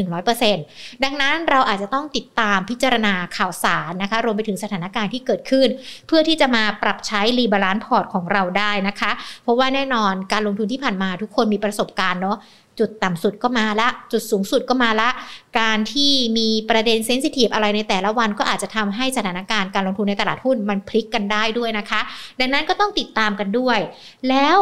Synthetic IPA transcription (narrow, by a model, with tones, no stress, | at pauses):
nɯ˨˩ŋɾɔː˦˥jpɤː˧se˧nda˧ŋna˦˥nɾa˧wʔaː˨˩t̪̚t͡ɕa˨˩t̪ɔ˥˩ŋt̪i˨˩t̪ːaː˧mpʰi˦˥t̪̚t͡ɕa˧ɾa˧naː˧kʰaː˨˩wsaː˩˦nːa˦˥kʰa˦˥ɾu˧əmpa˧jt̪ʰɯ˩˦ŋsa˧t̪ʰaː˩˦na˦˥kaː˧nt̪ʰiː˥˩kɤː˨˩t̪̚kʰɯ˥˩npʰɯ˥˩əiː˥˩t͡ɕa˨˩maː˧pɾa˨˩p̚t͡ɕʰa˦˥jliː˧bəː˧laː˦˥npʰɔː˨˩t̪̚kʰɔː˩˦ŋɾa˧wdaː˥˩jna˦˥kʰa˦˥ʔpʰɾɔ˦˥waː˥˩nɛː˥˩nɔː˧nkaː˧nlo˧ŋt̪ʰu˧nt̪iː˥˩pʰaː˨˩nmaː˧t̪ʰu˦˥kʰːo˧nmiː˧pɾa˧so˨˩p̚kaː˧nːɔ˦˥ | t͡ɕu˨˩t̪ːa˨˩msu˨˩t̪̚kɔː˥˩maː˧la˦˥ʔt͡ɕu˨˩t̪̚suː˩˦ŋsu˨˩t̪̚kɔː˥˩maː˧la˦˥ʔkaː˧nt̪ʰiː˥˩miː˧pɾa˧de˧nse˦˥nsi˧˥t̪ʰiː˨˩p̚ʔa˧ɾa˧jna˧jt̪ɛː˨˩la˦˥wa˧nkɔː˥˩ʔaː˨˩t̪̚t͡ɕa˨˩t̪ʰa˧mɦa˥˩jsa˧t̪ʰaː˩˦naː˧˥kaː˧nkaː˧nlo˧ŋt̪ʰu˧nːa˧jt̪a˧laː˨˩t̪̚hu˥˩nma˧npʰli˦˥kːa˧ndaː˥˩jdu˥˩əjna˦˥kʰa˦˥ʔda˧ŋna˦˥nkɔː˥˩t̪ɔ˥˩ŋt̪i˨˩t̪ːaː˧mka˧ndu˥˩əj | lɛː˦˥w